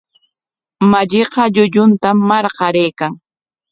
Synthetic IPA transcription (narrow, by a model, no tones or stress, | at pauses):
maʎeqɑʎʊʎʊnt̪amːɑɾqɑɾeːkaŋ